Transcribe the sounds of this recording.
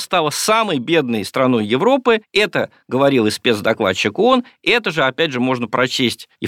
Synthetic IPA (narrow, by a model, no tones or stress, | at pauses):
st̪alˠəsaməjbʲe̞d̪nəjst̪ɾɐno̞jjɪvɾo̞pɨɛt̪ə | ɡəvɐɾʲilˠɨspʲe̞t̪zd̪ɐklˠa̰ɕːɪkonɛt̪əʐɨɐpʲædʲʐɨmo̞ʐnəpɾɐt͡ɕesʲtʲɪ